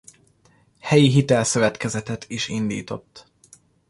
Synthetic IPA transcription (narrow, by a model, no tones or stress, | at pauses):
hɛjiɦit̪ɛlsøvɛt̪kɛzɛt̪ɛt̪iʃind̪ḭːt̪o̞t̪ː